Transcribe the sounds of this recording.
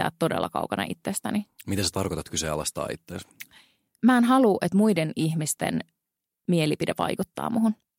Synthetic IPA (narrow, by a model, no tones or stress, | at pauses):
æ̰ːt̪t̪ːodḛlːɑkɑ̰ukɑnɑ̰ʔit̪ːest̪ænimit̪eset̪ɑrkot̪ɑt̪kyseɑlɑst̪ɑ̰ːḭt̪ːeːs | mæːenɦɑluːʔet̪muidenihmist̪ḛn | mielipideʋɑ̰jkut̪ːɑ̰ːmʔuɦun